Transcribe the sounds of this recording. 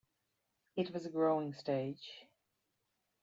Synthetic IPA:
ɪt̚wɒzəɡɹoʊɪ̃ŋsteɪd̥ʒ̥

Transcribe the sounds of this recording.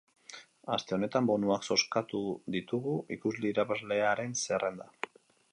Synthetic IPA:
ast̪e̞o̞ne̞t̪ambo̞nuakso̞skat̪uðit̪uɣuʔikuzliːɾapazle̞aɾe̞nse̞rʔe̞nd̪a

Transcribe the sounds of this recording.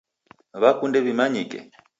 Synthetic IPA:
βakundɛβimaɲikɛ̰

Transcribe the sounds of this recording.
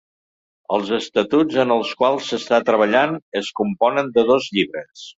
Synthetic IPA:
əlˠzəst̪ət̪ud͡zənəlˠskwalˠsəst̪at̪ɾəβ̞əʎanəskumpɔnənd̪əðozʎiβɾəs

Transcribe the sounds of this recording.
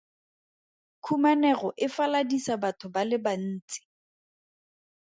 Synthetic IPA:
kʰumanɛχɔʔɪfaladisabatʰʊbalɪban̩ːt͡sʼi̥

